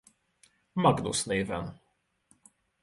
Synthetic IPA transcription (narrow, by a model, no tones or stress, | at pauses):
maɡnṵsneːvɛ̰n